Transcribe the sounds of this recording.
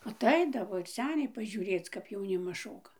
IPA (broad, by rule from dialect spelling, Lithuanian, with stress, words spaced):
ɐˈtɐɪdɐʋoː ɪr ˈsʲæːnʲɛɪ pɐʒʲʊˈrʲeːt͡s kɐp jɛʊˈnʲɪmɐs ˈʃoːkɐ